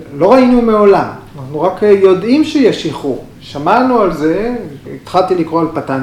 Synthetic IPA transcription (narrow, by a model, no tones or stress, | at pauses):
lo̞ʁainumeo̞lamanaχnuʁakjo̞d̪ʔimʃejaʃiχu | ʃamanualze̞it̪χalt̪ilikʁoalpatan